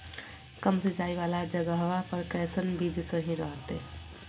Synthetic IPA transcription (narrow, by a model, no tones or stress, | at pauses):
kəmsed͡ʒaiʋalad͡ʒəɡəɦʋapəɾkɛsənbid͡ʒsə̃ɦĩɾəɦt̪e